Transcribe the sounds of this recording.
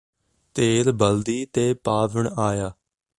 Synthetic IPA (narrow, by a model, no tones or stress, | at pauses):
t̪eːɾbəld̪iːt̪eːpaːʋəɳaːjaː